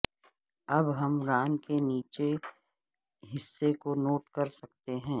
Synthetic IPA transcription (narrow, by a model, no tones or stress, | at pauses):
ɐbɦɐmɾaːnkeniːt͡ʃe | ɦɪsːekonoːʈkɐɾsɐk̚t̪eɦɛ̃ː